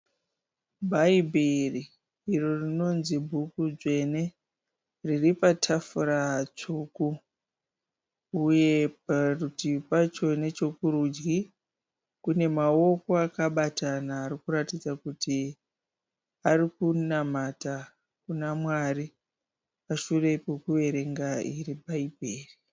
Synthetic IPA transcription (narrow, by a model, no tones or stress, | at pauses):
bʱaibʱeriː | ro̞rino̞nzibʱukuʐe̞ne | riripatʰafuɾat͡ʂuːku | uje̞parutipat͡ʃo̞net͡ʃo̞kuɾud͡ʒɡi | kune̞mao̞ko̞akaɓatanaːɾikuratid͡zakuti | arikunamata | kunamwari | paʃure̞pekuʋe̞ɾe̞ŋɡairibʱaibʱeːri